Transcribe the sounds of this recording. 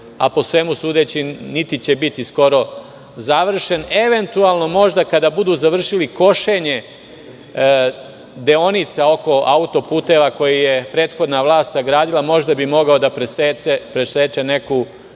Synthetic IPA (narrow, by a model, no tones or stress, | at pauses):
a̰po̞sʋe̞musuːd̪et͡ɕinit̪it͡ɕe̞bit̪isko̞ɾo̞ | zaʋr̩ʃe̞ne̞ʋe̞nt̪ualˠno̞mo̞ʒd̪akad̪abud̪uːzaʋr̩ʃiliko̞ʃe̞ɲe̞ | d̪eonit̪sao̞ko̞aut̪o̞puːt̪e̞ʋako̞jijepɾe̞ːt̪xo̞d̪naʋlˠaːst̪saɡɾaːd̪ilˠamo̞ʒd̪abimo̞ɡao̞d̪apɾeseepɾeseːt͡ʃene̞ku